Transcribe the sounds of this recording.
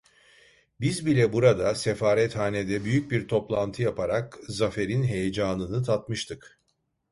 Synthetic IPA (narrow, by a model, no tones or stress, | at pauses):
bizbilʲɛbuɾad̪asefaːɾɛt̪haːned̪ɛbyjyc̚biɾt̪ʰo̞plˠant̪ʰɯjapʰaɾakzafe̞ɾinɦe̞jed͡ʒaːnɯnɯt̪ʰat̪mɯʃt̪ʰɯk